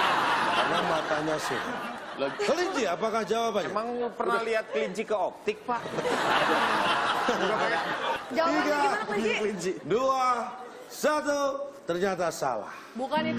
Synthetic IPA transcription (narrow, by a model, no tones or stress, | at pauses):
makanamat̪aɲasitlkəliɲt͡ʃiapakahd͡ʒawapaɲmaŋpərnahliɦat̪̚kəliɲt͡ʃikəop̚t̪ɪk̚pa | d͡ʒat̪iɡakəliɲt͡ʃidua | sat̪ut̪ərɲat̪̬asa̰la̰hbukan